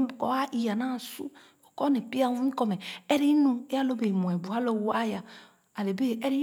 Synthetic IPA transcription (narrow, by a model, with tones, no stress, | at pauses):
kɔ˨˦a˦ʔi˨ja˨nã˦˨sṵ˦ | o˨kɔ˦ne˨pi˦a˦˨wu˦ĩ˦kɔ˦˨mɛ˨ɛ˦ɾi˦nũ˦e˦a˦lo˦be˨mũ˨ɛ˨bu˨ha˦lo˦˨wu˨˦a˦ja˨ | a˨le˨be˦ɛ˦ɾi˦